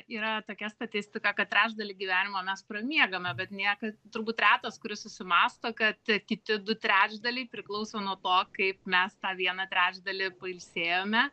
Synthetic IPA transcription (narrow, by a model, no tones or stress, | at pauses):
iːɾɐt̪oːkʲɛst̪ɐt̪ʲɪsʲt̪ʲɪkɐkɐt̪̚t̪ʲɾʲæːd͡ʒd̪ɐlʲɪɡʲɪʋʲæːnʲɪmomʲɛsprɐmʲiɛɡɐmʲɛbʲɛt̪nʲikɐt̪ʊɾbuːt̪rʲæːt̪ɐskʊɾʲɪsʊsʲɪmɑːst̪oːkɐt̪kʲɪt̪ʲɪd̪ʊt̪ʲɾʲæːd͡ʒd̪ɐlʲɪɪpʲɾʲɪklˠɐʊsʲoːnuɔt̪oːkɐɪp̚mʲɛst̪ɑːʋʲiɛnɐt̪ʲɾʲæːd͡ʒʲd̪ɐlʲɪpɐɪlʲsʲeːjoːmʲɛ